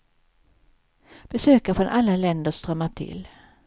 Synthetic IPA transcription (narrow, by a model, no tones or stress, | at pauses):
b̥ɛsøːkafɾɔnʔalːalɛnd̪əʂt̪ɾœmːaʈʰɪ̰l